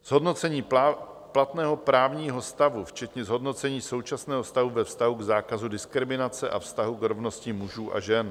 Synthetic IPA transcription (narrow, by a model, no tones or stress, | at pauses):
z̥ɦo̞dno̞t͡sɛɲiː | plat̪nɛːɦo̞pɾaːvɲiːɦo̞st̪avuft͡ʃɛt̪ɲɛzɦo̞dno̞t͡sɛɲiːso̞wt͡ʃasnɛːɦost̪aɦuvɛfst̪aɦuɡzaːkazudɪskɾɪmɪnat͡sɛʔafst̪aɦukɾo̞vno̞scimuʒuːʔa̰ʒɛn